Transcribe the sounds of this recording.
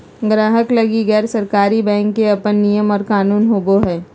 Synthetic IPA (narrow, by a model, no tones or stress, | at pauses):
ɡɾaːɦəklɐɡiɣɛːɾsɐɾkaːɾibɛ̃ːŋkːeɐpənːijəmɔːɾkaːnuːnɦoːboɦɛː